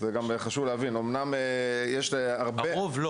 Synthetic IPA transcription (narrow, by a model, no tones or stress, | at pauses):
zeɡameχaʃuvlehavinomnamejeʃleaʁbeovl